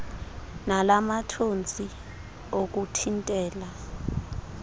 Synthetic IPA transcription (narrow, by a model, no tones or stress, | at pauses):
nalamatʰont͡sʼi | ok̬utʰintʼɛːla